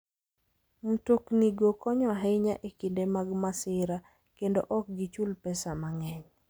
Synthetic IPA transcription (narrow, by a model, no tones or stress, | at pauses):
m̩tokniɡokɔɲɔɦɛɪɲaʔekindemaɡmasɪɾa | kendoʔɔk̚ɡit͡ʃulpɛsamaŋɛɲ